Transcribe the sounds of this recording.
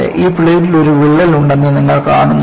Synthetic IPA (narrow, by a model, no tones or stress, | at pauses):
ʔiːpɭejʈilo̞ɾuʋiɭːɐluɳɖenːɐniŋːɐɭkaːɳuŋː